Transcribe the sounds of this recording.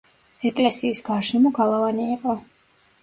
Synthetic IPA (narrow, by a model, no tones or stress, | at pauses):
ɛkʼlɛsiːsɡaɾʃɛmɔɡalˠavaniːqʼɔ